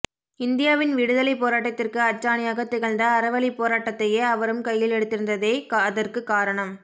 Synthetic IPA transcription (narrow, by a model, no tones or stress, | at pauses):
ɪnd̪ɪjaːʋɪnʋɪɽɯðɐlɐɪpːoːɾaːʈːɐt̪ːɪrkɯɐt͡ʃːaːnɪjaːɣɐt̪ːɪɣɐɭnd̪ɐːɾɐʋɐɭipoːɾaːʈːɐt̪ːɐjeːɐʋɐɾɯmkɐjːɪlɛɽɯt̪ːɪɾɯnd̪ɐðeːkɐðɐrkɯkːaːɾɐɳɐm